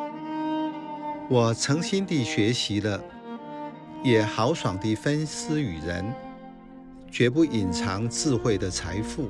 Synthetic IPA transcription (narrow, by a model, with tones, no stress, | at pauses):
wɔ˨˩t͡sʰɤ˧˥ŋɕi˥nt̪i˥˩ɕɥɛ˧˥ɕi˧˥lə˧ | jɛ˨˩xɑ˧˥ʊʂwɑ˨˩ŋt̪i˥˩fə˥ns̩˥y˨˩ɻə˧˥n | t͡ɕɥɛ˧˥p̬u˥˩ʔi˨˩nt͡sʰɑ˧˥ŋt͡sɹ̩˥˧xwe˥˩ɪd̪ə˩t͡sʰa˧˥ɪfu˥˩